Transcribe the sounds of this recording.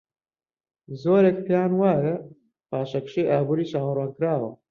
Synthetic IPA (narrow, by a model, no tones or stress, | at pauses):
zoːɾek̚t̪ʰejaːnwaːjɐ | paːʃɐkʃejʔaːbuːɾiːʃaːwɐraːnkɾaːwɐ